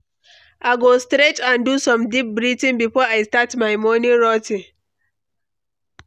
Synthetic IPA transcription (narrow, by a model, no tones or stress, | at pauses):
ʔaɡostɾet͡ʃãndusɔ̃mdip̚bɹitĩnbifɔːajstatmajmɔniɹɔtĩŋ